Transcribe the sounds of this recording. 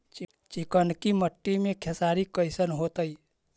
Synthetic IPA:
t͡ʃɪkənkiməʈːimẽkʰesaːɾikəɪsənɦoːt̪əi

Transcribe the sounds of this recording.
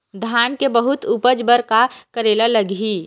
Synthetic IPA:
d̪ʱaːnkebəɦʊt̪upəd͡ʒbəɾkakəɾeːlaləɡɦiː

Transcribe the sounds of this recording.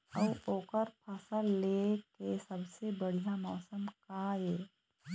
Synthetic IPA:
əʋoːkəɾpʰasalekesɐbsebəɽ̤ijamɔːsəmkaeː

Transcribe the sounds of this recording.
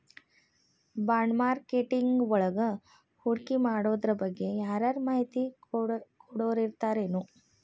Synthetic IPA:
baːɳmaːɾkeʈiŋɡɔɭɐɡɐ | huɽkimaːɽoːd̪ɾɐbɐɡːe̞jaːɾaːɾmaːɦit̪i | kɔɽoːɾiɾt̪aːɾeːnu

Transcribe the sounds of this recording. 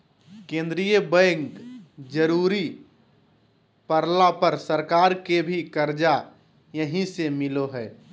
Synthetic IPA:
kẽːnd̪ɾijəbɛ̃ːŋkd͡ʒəɾuːɾi | pəɾlapəɾsəɾkaːɾkebʱikəɾd͡ʒa | jəɦĩsemɪloɦɛː

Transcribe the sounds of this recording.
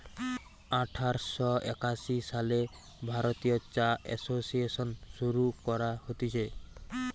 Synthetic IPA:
aʈʰaɾsɔḛkasisale | bʱaɾot̪ijɔt͡ʃaɛ̰sosiesɔnsuɾukɔɾahot̪it͡ʃʰe

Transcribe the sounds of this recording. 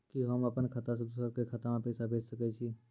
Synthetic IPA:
kiɦəməpənkʰət̪as̬əd̪usəbkekʰət̪amãpɛːsabʱeːd͡ʒsəkɛt͡ʃʰi

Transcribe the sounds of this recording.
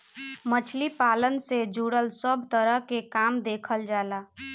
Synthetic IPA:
mət͡ʃʰlipalənsed͡ʒʱuɽəlsəbʱt̪əɾəɦkekamd̪ekʰəld͡ʒala

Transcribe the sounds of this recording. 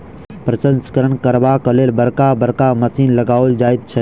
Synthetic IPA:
pɾɐsə̃nskəɾənkɐɾʋaːkəleːlbɐɾkaːbɐɾkaːmɐsiːnlɐɡaːold͡ʒaːɪd̪̚t͡ʃʰɐ

